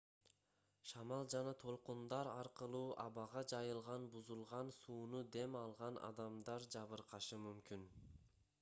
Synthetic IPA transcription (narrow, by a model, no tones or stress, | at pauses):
ʃɑmɑlˠd͡ʒɑnɑt̪ʰo̞lˠqund̪ɑɾɑɾqɯlˠuːʔɑβɑʁɑd͡ʒɑjɯlˠʁɑnbuzulˠʁɑnsuːnud̪e̞mɑlˠʁɑnʔɑ̰d̪ɑmd̪ɑɾd͡ʒɑβɯɾqɑʃɯmymkyn